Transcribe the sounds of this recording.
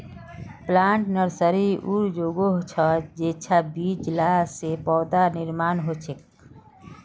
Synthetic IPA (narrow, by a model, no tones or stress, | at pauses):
plaːɳʈnəɾsəɾiuɾd͡ʒoɡoɦot͡ʃʰəd͡ʒeːt͡ʃʰabid͡ʒlaːsepɔːd̪aniɾmaːnɦot͡ʃʰek